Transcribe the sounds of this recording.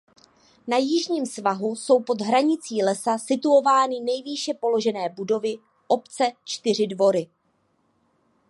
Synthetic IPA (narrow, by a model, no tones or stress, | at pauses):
najɪʒɲiːmsvaɦuso̞wpo̞d̪ɦɾaɲɪt͡siːlɛsasɪt̪uo̞vaːnɪnɛjviːʃɛpo̞lo̞ʒɛnɛːbudo̞vɪ | ʔo̞pt͡sɛt͡ʃt̪ɪr̝ɪdvo̞ɾɪ